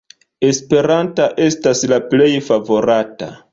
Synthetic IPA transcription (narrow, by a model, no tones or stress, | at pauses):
e̞spe̞ɾantaʔe̞staslaple̞jfavo̞ɾata̰